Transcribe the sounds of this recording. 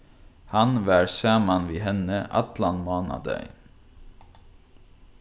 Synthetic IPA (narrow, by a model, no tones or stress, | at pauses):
hɑnʋæːɾsæːmɑnʋiːhɛnəʔɑ̰t̪lɑnmɑːnɑ̰d̪æ̰ɪ